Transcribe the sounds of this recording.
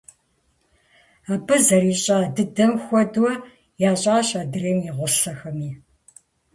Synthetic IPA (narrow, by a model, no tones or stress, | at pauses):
aːbɨzɐɾiːɕʼaːdɨdɐmxʷɔdwɔ | jaːɕʼaːɕaːdɨreːmiʁʷʊɬɐxɐmiː